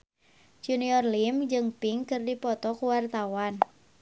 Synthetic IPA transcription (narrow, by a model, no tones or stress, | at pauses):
d͡ʒuniɔrlimd͡ʒɨŋpiŋkɨrdipɔt̪ɔkuwart̪awan